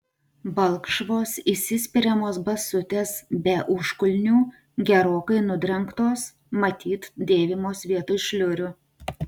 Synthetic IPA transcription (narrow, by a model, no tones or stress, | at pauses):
bɐlˠkʃʋoːsisʲɪsʲpʲɪɾʲɛmoːsbɐsʊt̪ʲeːsbʲɛʔʊʃkʊlʲnʲuː | ɡʲɛɾoːkɐɪnʊd̪ʲɾʲɛŋkt̪oːs | mɐt̪ʲiːt̪d̪ʲeːʋʲɪmoːsʋʲiɛt̪ʊʃʲlʲʊɾʲʊ